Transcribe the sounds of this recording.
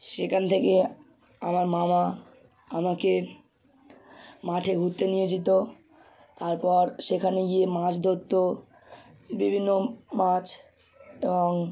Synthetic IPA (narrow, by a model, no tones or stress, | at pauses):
ʃekʰant̪ʰeke | amaɾmama | amake | maʈʰeɡʱut̪ːenied͡ʑit̪o | t̪aɾpɔɾʃekʰaneɡiemãʃd̪ʱot̪ːo | bibʱinːomat͡ɕ | ebɔŋ